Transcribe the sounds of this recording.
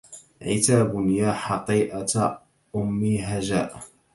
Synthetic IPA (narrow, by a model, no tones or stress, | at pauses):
ʕɪt̪aːbʊnjaːħɑq̪ˤiːʔaa | ʔʊmːiːɦaʒa̰ːʔ